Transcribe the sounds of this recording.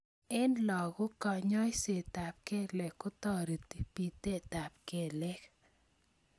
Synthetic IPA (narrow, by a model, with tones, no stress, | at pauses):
e˦nlɔ˨ɡʊ˦kɔ˨ɲɔ˦jse˨t̪a˨p̚ke˦lɛ˨kːʊ˦t̪ɔ˨ɾi˨t̪i˨pi˨t̪e˦t̪a˨p̚ke˨lɛ˦k